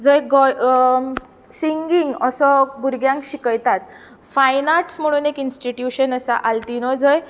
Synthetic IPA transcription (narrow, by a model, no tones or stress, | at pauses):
d͡zʱəjɡɔj | siŋɡiŋɡəsɔbuɾɡjãŋkɕikəjt̪at̪ | fajnaʈsm̤əɽ̃uːnekinsʈiʈjuɕənəsa̰ʔalt̪inɔd͡zʱəj